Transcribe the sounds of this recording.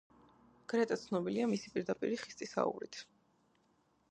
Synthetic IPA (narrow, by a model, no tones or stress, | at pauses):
ɡ̥ɾɛt̪ʼat̪sʰnɔbiliamisipʼiɾd̪apʼḭɾiχist̪ʼisa̰ṵɾḭt̪ʰ